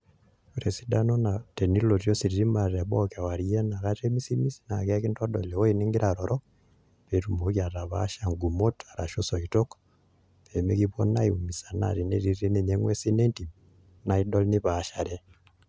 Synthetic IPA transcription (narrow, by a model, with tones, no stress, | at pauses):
uɾe˨si˦da˦no˦na˨te˨ni˦lo˨tjosi˨ɾiɾimare˨βoka˨wa˨ɾije˦na˨katemi˦si˦mi˦si̥na˨ke˦ki˦nto˦do̰˨lewo˦iniŋɡiɾaɾoɾɔ | βe˨ɾumokja˨ɾa˨βa̰ʃaŋɡumo˦ta˨ɾa˨ʃoso˨ito˦k | βeme˦kiβo̰˦na̰˦iu˨mi˨sa˨na̰˨ɾi˨ne˦ɾie˦ne˨ɲeŋwe˦si˦ne˦nti˨ | naido˦lni˦βaʃa˨ɾe